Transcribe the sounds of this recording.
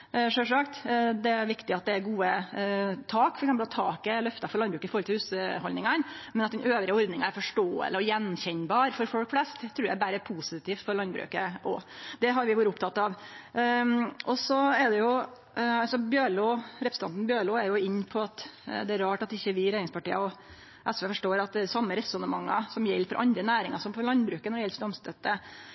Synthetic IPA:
ʂøːʂɑkt̪d̪ɛæɾʋɪkt̪ɪɑt̪̚d̪ɛæɾɡuːə | t̪ʰɑːkfɔɾɛksɛmpəlɔt̪ʰːɑːkɪlœft̪ɑfɔɾɭɑnbɾʉːkəɪfɔɾɔlt̪ɪhʉːsəhɔlnɪŋɑnmɛnɑt̪̚d̪ɛnøːʋɾɪəɔɾd̪nɪŋɑæɾfɔʂʈoːə̰ləɔjɛnçɛɲbɑːɾfɔɾfɔlkflɛst̪ʰːɾʉːɾjæ̰ɪbæɾəpʰuːsɪt̪iːft̪fɔɾɭɑnd̪bɾʉ̰ːkəʔɔ̰d̪ɛɦɑɾʋɪʋuːɾəʊpt̪ʰɑt̪ːɑʋ | ʔɔsɔɛd̪ɛjʊ | ɑsɔbjøːɭuːɾɛpɾsəɑnt̪nbjøːɭuːæɾjʊɪɲːpʰɔɑt̪d̪ɛæɾɑːʈɑt̪ɪçːəʋɪɾeːɾɪŋspʰɑʈiːəɔ | ʔɛsʋeːfɔʂʈoːɾɑt̪̚d̪ɛsɑmːəɾɛsɔnəmɑŋːɑ̰sɔmjɛlːfɔɾʔɑ̰nd̪ɾənæːɾɪŋɑʂɔmpʰɔlɑnbɾʉːkənɔɖɛjɛlsd̪ɔmst̪ɛt̪ːə

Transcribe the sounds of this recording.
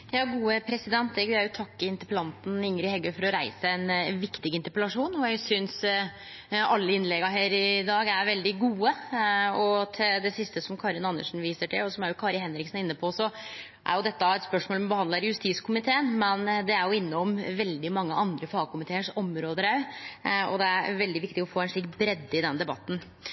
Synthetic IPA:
jɑːɡuːəpʰɾɛsɪd̪ɛnt̪̚d̪ɛɡæjʊt̪ʰɑkːəɪnt̪əɾpəlɑnt̪n̩ɪŋɾɪhɛɡːəfɔɾɔɾæɪsəɛnʋɪkt̪ɪɡɪnt̪əɾpəlɑʂuːnɔjæɡsʏns | ɑlːəɪnlɛɡɑɦeːɾɪd̪ɑːɡæɾʋɛld̪ɪɡuːəɔt̪ʰɪld̪ɛsɪst̪əsɔmkʰɑɾɪnɑnə̰ʂn̩ʋiːsəʈʰɪlɔsɔmæɾjʊkʰɑɾjəhɛnɾɪksnɪnːəpʰɔsɔ | ʔæ̰ɾjʊd̪ɛt̪ːɑɛt̪spœʂmoːlmbəhɑnd̪ɑɾjʉst̪iːskʰʊmɪt̪ʰeːənmɛnd̪ɛæɾjʊɪnːəɔmʋɛld̪ɪmɑŋːəʔɑnd̪ɾəfɑːɡ̚kʊmɪt̪ʰeːəʂɔmɾoːd̪əɾæ | ɔ̰d̪ɛæɾʋɛld̪ɪʋɪkt̪ɪɔfoːɛnʂɭiːkbɾɛd̪ːɪd̪ɛnd̪ɛbɑt̪ːn̩

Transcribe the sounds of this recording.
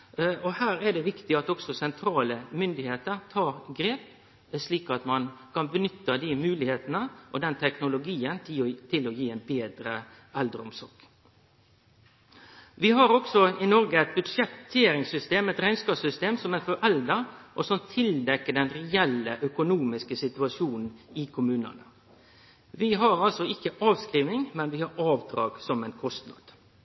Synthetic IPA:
ɔhæːɾæɖɛʋɪkt̪ɪɑt̪ɔksɔsɛnt̪ʰɾɑːləmʏnd̪ɪheːt̪əɾt̪ʰɑːɾɡɾeːp | sliːkɑt̪mɑnkʰɑnbənʏt̪ːəd̪ɪmʉːlɪheːt̪ənəʔɔd̪ɛnt̪ʰɛknʊlʊɡiːənt̪ɪt̪ʰɪlɔjiːɛnbeːd̪ɾə | ɛld̪ɾʊmsɔɾk | ʋɪɦɑɾɔksɔɪnɔɾɡəæɪt̪̚bʉd̪ʂɛt̪ʰːeːɾɪŋsʏst̪eːmɛt̪ɾɛɪnskɑːpsʏst̪eːmsɔmæɪnfɔɛld̪əɾʔɔsɔmt̪ʰɪld̪ɛkːəɖɛnɾɛɛlːəʔœkʊnuːmɪskəsɪt̪ʉɑʂuːnn̩ɪkʰʊmʉːnə̰nə | ʋɪɦɑɾɑlsɔɪkːəʔɑːʋskɾiːʋnɪŋmɛnʋɪhɑɾɑːʋd̪ɾɑ̰ːɡsɔmæɪnkʰɔst̪nɑ̰d̪̥

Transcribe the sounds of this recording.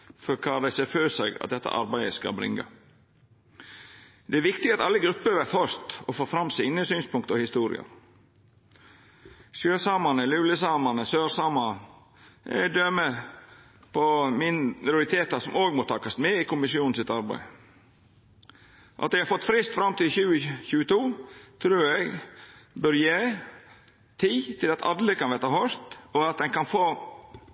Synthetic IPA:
fɔɾkʰɑːd̪æɪseːføːsɛɡɑ̰d̪ɛt̪ːə̰ʔɑ̰ɾbæɪəskɑ̰lbɾɪ̰ŋɡɑ̰ | d̪̥ɛæɾʋɪkt̪ɪɡɑt̪ɑlːəɡɾʉpːəɾʋæɾt̪hœɾt̪ɔfoːfɾɑmsiːnəsyːnspʊŋkt̪ɔhɪst̪uːɾɪ̰ɑ̰ɾ | sjøːsɑːmɑnəlʉːləsɑːmɑnəsøːɾsɑːmɑnə | ʔæ̰ɪd̪ømə | pʰɔmɪnɾʊɾɪt̪ʰeːt̪ɑsɔmoːɡmoːt̪ʰɑːkɑst̪meːɪkʊmɪsɪuːnn̩sɪt̪ɑɾbæ̰ɪ | ʔɑt̪d̪ɛɪhɑɾfɔt̪ːfɾɪst̪fɾɑmt̪iːçʉːəçʉːət̪ʰuːt̪ʰɾʉːɾɛɡbœɾjeː | t̪ʰiːt̪ʰɪlɑt̪ʰɑ̰d̪ləkʰɑnʋeːt̪ɑhœʂt̪ɔɑt̪̚d̪ɛŋkɑnfoː

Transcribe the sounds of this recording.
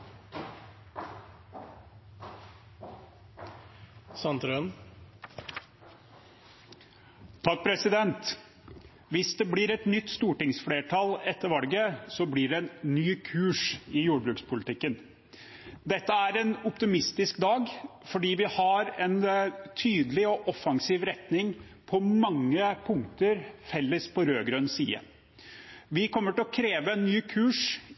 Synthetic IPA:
sɑnt̪ɾøn | t̪ʰɑk̚ːpʰɾɛsɪd̪ɛnt̪ | ʋɪsd̪ɛbliːɾɛt̪nʏt̪ːst̪uːʈɪŋsfleːʈʰɑlɛt̪ːəɾʋɑlɡəsɔbliːɖɛɛnnyːkʰʉːʂɪjuːɖbɾʉːkspʰʊlɪt̪ʰɪkːən | d̪ɛt̪ːəæɾɛnʊpt̪ɪmɪst̪ɪskd̪ɑːɡfɔɖiːʋɪhɑɾɛnt̪ʰyːd̪əlɪɔʔɔfɑŋsiːʋɾɛt̪nɪŋ | pʰɔmɑŋːəpʰʊŋkt̪əɾfɛlːəspʰɔɾøːɡɾœnsḭːə̰ | ʋɪkʰɔmːəʈɪlɔkʰɾeːʋəɛnːyːkʰʉːʂ

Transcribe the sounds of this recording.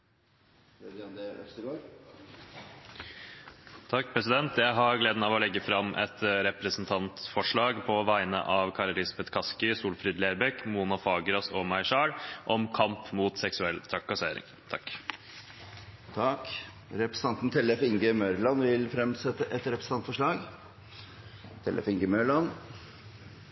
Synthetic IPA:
d̪ɛœ̰st̪əɡoːɾ | t̪ʰɑk̚ːpʰɾɛsɪd̪ɛnt̪jæɪɦɑɾɡleːd̪ənɑːʋɔlɛɡːəfɾɑmʔɛ̰t̪ɾɛpɾəsnt̪ʰɑnt̪fɔʂɭɑːɡpʰɔʋæɪnə̰ʔɑʋkʰɑːɾəlɪsɑbɛt̪kʰɑskɪsuːlfɾiːd̪leːɾbɛkmuːnɑfɑːɡɾɑsɔmɑɪʂɑːɽʔɔmkʰɑmpmuːt̪sɛksʉɛlːt̪ʰɾɑkːɑseːɾɪ̰ŋ | t̪ʰɑkː | t̪ʰɑk | ɾɛpɾəsn̩ɑnt̪n̩t̪ʰɛlɛfɪŋɡəmœɾlɑnʋɪlfɾɛmsɛt̪ːəʔɛt̪ɾɛpɾəs̩n̩ʰɑnt̪fɔʂɭɑːɡ | t̪ʰɛ̰lʔɛ̰fɪŋɡəmœlɑn

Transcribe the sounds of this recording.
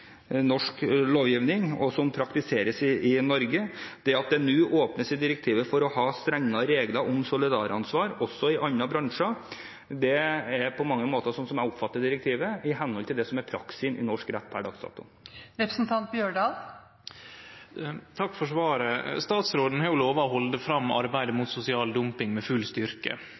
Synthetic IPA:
nɔʂkloːʋjiːʋnɪŋɔsɔmpʰɾɑkt̪ɪseːɾəsɪɪnɔɾɡəd̪̥ɛɑt̪̚d̪ɛnʉːʔoːpnəsɪd̪ɪɾək̚t̪ʰiːʋəfɔɾɔhɑːst̪ɾɛŋːɑɾeːɡləɾʔɔmsʊlɪd̪ɑːɾɑnsʋɑːɾɔsːɔɪʔɑɲːɑbɾɑŋʂɑ | d̪ɛɛɾpʰɔmɑŋːəmoːt̪əsɔmsɔmæʊpfɑt̪ːəd̪ɪɾək̚t̪ʰiːʋəɪɦɛnhɔlt̪ʰɪld̪ɛsɔmɛɾpʰɾɑksɪnɪ̰nɔʂkɾæt̪ːpʰæɖɑ̰ːksd̪ɑ̰ːt̪ʊ̰ | ɾɛpɾəsn̩t̪ʰɑnt̪̚bjøːɳɖɑːl | t̪ʰɑkːfɔʂʋɑːɾəst̪ɑːt̪sɾoːd̪n̩hɑɾjʊloːʋɑɔhɔld̪əfɾɑmːɑ̰ɾbæɪd̪əmʊt̪sʊsɪɑːld̪ʊmpɪŋmɛfʉlst̪ʏɾkə̰

